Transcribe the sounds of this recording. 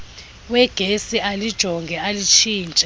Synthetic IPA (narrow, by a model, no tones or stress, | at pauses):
wɛɡ̥ʱesiʔalid̥ʒ̥ʱɔŋɡʱɛalit͡ʃʰiːnt͡ʃʼɛ